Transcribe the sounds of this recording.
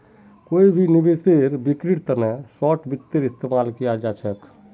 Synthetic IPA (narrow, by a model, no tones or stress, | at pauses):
koibʱinibeseɾbikɾiʈt̪ənɛsɔʈbit̪ːəɾist̪emalkijad͡ʒat͡ʃʰɛk